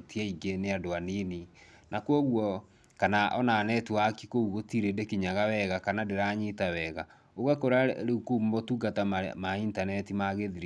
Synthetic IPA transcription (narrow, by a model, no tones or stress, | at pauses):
tiaiɡeneadoanini | nakwɔɣwɔ | kanaʔɔnaːnɛtuakikouɣotiɾendekiɲaɣawɛɣakanadeɾaɲitawɛɣa | oɣakoɾaɾeukummotuɡatamaintanɛtimaɣeðiɾi